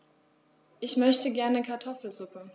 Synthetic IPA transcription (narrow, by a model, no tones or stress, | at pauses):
ʔɪçmœçtəɡɛɐnəkʰaɐtʰɔfl̩zʊpə